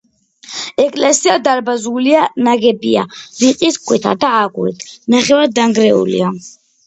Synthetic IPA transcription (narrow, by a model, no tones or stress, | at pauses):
ɛkʼlɛsiad̪aɾbazulianaɡɛbia̰ɾiqʼisɡʰwɛt̪ʰa̰d̪aːɡwɛ̰t̪ʰnaχɛwaɾd̪aŋɡɾɛṵlḭa